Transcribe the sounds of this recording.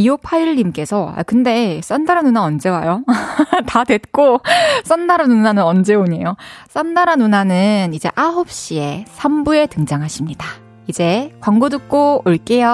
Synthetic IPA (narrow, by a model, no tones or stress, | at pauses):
iopʰaɾiɭːimk͈e̞sʰʌa̰kɯnde̞s͈andaɾanunaʌnd͡ʑe̞wajotadwe̞t̚k͈os͈ʌndaɾanunanɯnʌnd͡ʑe̞oɲe̞jos͈andaɾanunanɯnid͡ʑe̞ʔaɦop̚ɕ͈ie̞sʰambue̞tɯŋd͡ʑaŋɦaɕʰimɲida | id͡ʑe̞kwaŋɡodɯk̚k͈oɯɭk͈ejʌ